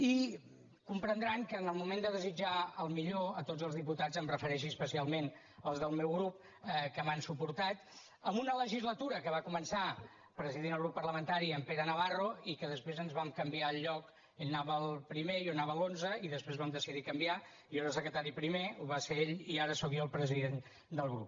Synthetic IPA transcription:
i | kumpɾənd̪ɾaŋkəːnəlˠmumend̪əðəzid͡ʒaəlˠmiʎoət̪od͡zəlzðiput̪ad͡zəmrəfəɾɛʃiəspəsialˠmen | əlˠzðəlˠmewɣɾup̚ | əkəmansupuɾt̪at̪ | əmbunələʒizlət̪uɾəkəβakumənsa | pɾəziðinəlˠɣɾupːəɾrləmənt̪aɾiəmpeɾənəβaroikəðəspɾezənzβamkəmbiaəlˠːɔk | eʎnaβəəlˠpɾimejonaβəlˠonzəiðəspɾezβamd̪əsiðikəmbia | ioɾəs̬əkɾət̪aɾipɾimeuβaseeʎiaɾəsɔkjoəlˠpɾəziðen | d̪əlˠɣɾṵp̚

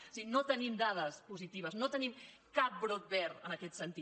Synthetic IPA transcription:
osinot̪ənimd̪að̞əspuzit̪iβ̞əznot̪ənim | kap̚bɾot̪̚bɛɾənəkɛt̪sənt̪i

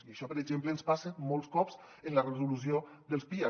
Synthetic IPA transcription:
iiəʃɔpəɾəʒempləːnspasəmolˠskɔps | ənlərəzulus̬io | d̪əlˠspiə

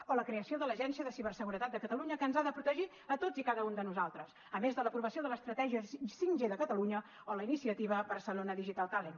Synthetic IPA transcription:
oləkɾeəsioðələʒɛnsiəðəsiβərsəɣuɾət̪at̪̚d̪əkət̪əluɲəkənzaðəpɾut̪əʒi | ət̪od͡zikaðəund̪ənuzalˠt̪ɾəs | əmezðələpɾuβəsioðələst̪ɾət̪ɛʒiəsiŋʒeðəkət̪əluɲə | oləinisiət̪iβəβərsəlonəðiʒit̪alˠt̪alen

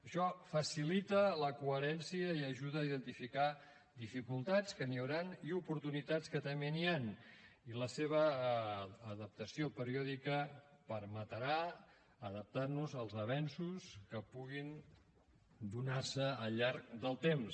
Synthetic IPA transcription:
əʃɔfəsilit̪ələkuəɾɛnsiəiəʒuðəːiðənt̪ifika | d̪ifikulˠt̪at͡skəniəwɾaniupuɾt̪unit̪at͡skət̪əmenian | iləseβ̞əː | ðəp̚t̪əsiopəɾiɔðikə | pəɾmət̪əɾaː | ðəp̚t̪arnuzəlˠzəβ̞ɛnsuskəpuɣin | d̪unarsəəʎaɾk̚d̪əlˠt̪ems

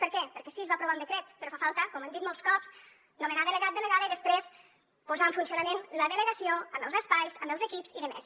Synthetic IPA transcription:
pəɾkɛpəɾkɛsiəzβapɾuβaund̪əkɾɛt̪pəɾɔfafalˠt̪əkɔməmd̪it̪mɔlˠskɔps | numenaðələɣat̪̚d̪ələɣaðəiðəspɾes | puzaəɱfunsiunəmenləðələɣəsioəmbəlˠzəspajzəmbəlˠzəkipsiðəmḛs

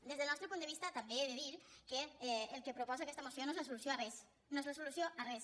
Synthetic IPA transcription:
d̪ezðelnɔst̪ɾəpund̪əβist̪at̪ambeeðeðiɾkeɛelˠkepɾopɔzakɛst̪amosjonoezlasulusjoarɛs | noezlasulusjoarɛs

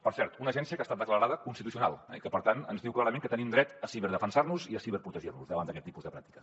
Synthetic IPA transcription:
pəɾsɛɾt̪unəʒɛnsiəkast̪at̪d̪əkləɾaðəkunst̪it̪usiuna̰lˠɛ̰ikəpəɾt̪anənzðiwklˠaɾəmẽŋkət̪ənimd̪ɾɛt̪əsiβɛɾðəfənsaɾnuziəsiβəɾpɾut̪əʒirnuzðəβand̪əkɛt̪ːi̥puzðəpɾak̚t̪i̥kə̥

